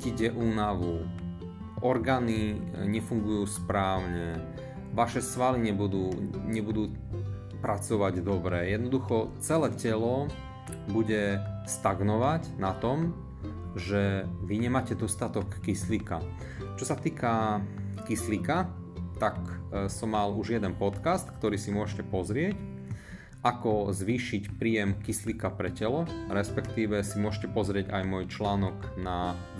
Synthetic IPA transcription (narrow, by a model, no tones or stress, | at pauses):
iɟɛʔuːnaʋu | ʔɔɾɡaːniɲɛfuŋɡujuːspɾaːʊɲɛ | ʋaʃɛsʋaliɲɛbud̪uːɲɛbud̪uː | pɾat͡sɔʋaɟd̪ɔbɾɛjɛd̪nɔd̪uxɔt͡sɛlɛːcɛlɔ | buɟɛst̪aɡnɔʋaɟnat̪ɔm | ʒɛʋiɲɛmaːcɛd̪ɔst̪at̪ɔkːislika | t͡ʃɔsat̪iːkakislika | t̪aksɔmːaluʒjɛd̪ɛnpɔt̪kast̪kt̪ɔɾiːsimʊɔʃcɛpɔzɾɪɛc | ʔakɔzʋiːʃicpɾiːjɛmkislikapɾɛcɛlɔɾɛspɛkt̪iːʋɛsimʊɔʃcɛpɔzɾɪɛɟa̰jmɔjt͡ʃlaːnɔɡ | na